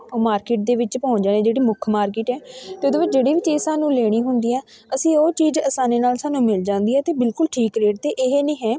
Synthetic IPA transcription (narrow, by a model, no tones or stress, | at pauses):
maːɾkɪːʈ̚d̪eːʋɪt͡ʃpɔ̃ʊnd͡ʒaːnẽːd͡ʒeːɽiːmʊkʰmaːɾkɪːʈɛːt̪eʊːd̪oːʋɪt͡ʃd͡ʒeːɽiːʋɪt͡ʃeːsaːnũːleːɽ̃iːɦʊnd̪iːɛː | əsĩːoːt͡ʃiːzəsaːneːnaːlsaːnũːmɪld͡ʒãːnd̪iːɦɛːt̪eːbɪlkʊlʈʰiːkɾeːʈt̪eːʔɪɦeːnẽːɦɛ̃ː